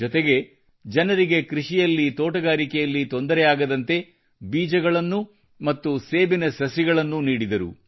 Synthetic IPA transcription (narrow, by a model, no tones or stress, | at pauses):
d͡ʒɔt̪eɡe̞ | d͡ʒɐnɐɾiɡe̞kɾiʂijɐlːit̪oːʈɐɡaːɾikɛjɐlːit̪o̞nd̪ɐɾɛjaːɡɐd̪ɐnt̪e̞ | biːd͡ʒɐɡɐɭɐnːu | mɐt̪ːuse̞ːbinɐsɐsiɡɐɭɐnːuniːɽid̪ɐɾṵ